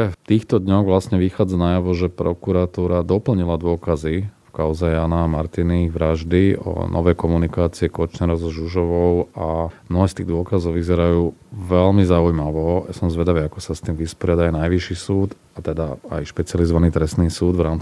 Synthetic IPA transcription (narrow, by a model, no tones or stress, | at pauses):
ɛft̪iːxt̪ɔd̪ɲɔɣʋlasɲɛʋixaːd͡zanajaʋɔʒɛpɾɔkuɾat̪uːɾad̪ɔpl̩ɲilad̪ʊɔkazifkaʊzɛjaːnamaɾt̪iniʋɾaʒd̪iɔ̰nʔɔ̰ʋɛjkɔmunikaːt͡siɛkɔt͡ʃnɛɾɔzɔʒuʒɔʋɔʊamnɔɦɛːst̪iːɣd̪ʊɔkazɔʊʋizɛɾajuːʋɛlmizaujmaʋɔjasɔmzʋɛd̪aʋiːakɔsast̪iːmʋispɔɾɪad̪aanajʋiʃisuːt̪ | at̪ɛd̪aa̰jʃpɛt͡siɪalizɔʋaniːt̪ɾɛst̪niːsuːd̪vɾaːmt͡si